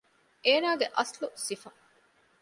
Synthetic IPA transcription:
eːnaːɡeʔɐslusifɐ

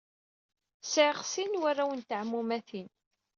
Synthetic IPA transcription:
sʕʁsinwærːawənt̪ʕmːumæθin

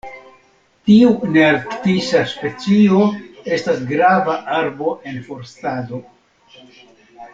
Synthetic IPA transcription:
tiuneaɾktisaspe̞t͡sio̞e̞stasɡɾavaʔaɾbo̞ʔe̞nfo̞ɾstado̞

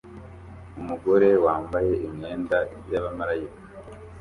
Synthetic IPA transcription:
umuɡo̞ɾe̞waːmbaje̞ʔimɲeːnda | jaβamaɾajikḁ

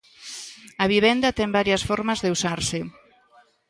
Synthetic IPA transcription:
ɐβiβ̞ɛnd̪ɐt̪ɛmbaɾjɐsfɔɾmazðeusaɾse

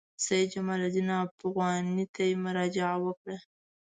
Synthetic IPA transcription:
sajd͡ʒamalad̪inɑpaɣwɑnit̪ajemʊɾɑd͡ʒɪʕawəkɽa

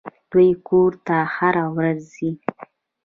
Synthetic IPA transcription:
d̪̥wujkoɾt̪ahaɾawɾazːi

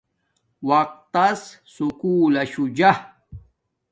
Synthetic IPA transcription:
wɐq̚t̪ɐs | sukuːlɐɕud͡ʑah

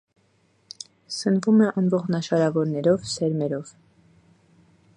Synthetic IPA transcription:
sənvumɛʔɑnvɔʁnɑʃɑɾɑvɔɾnɛɾɔvsɛɾmɛɾɔv̥

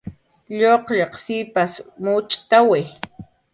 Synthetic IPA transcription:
ʎoqʎɑqsipasmʊt͡ʃʼt̪awe

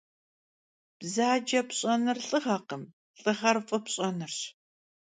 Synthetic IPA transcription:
b̥zaːd͡ʒɐpɕʼɐnɨrɬʼɨʁɐːqəm | ɬʼɨʁɐrfʼɨpɕʼɐnɨrɕ

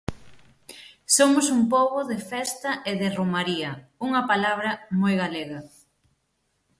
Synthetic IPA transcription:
somʊsumpoβʊðɪfɛst̪ɐʔeðɪromaɾiɐuŋɐpalaβ̞ɾɐmojɣaleɣɐ

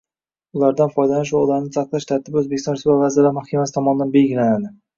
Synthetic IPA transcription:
ʊlaɾd̪anfɒjd̪alanɪʃ̬oʁlaɾnɪsʰaqlˠaʃt̪ʰaɾt̪ʰɪbɵzbekʲɪst̪ɒnsavazɪɾlaɾmahkʲʰamasɪ̥t̪ʰɒmɒnɪd̪anbe̞ɡʲɪlanad̪ɪ

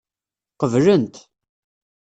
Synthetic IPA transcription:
qəvlənt̪

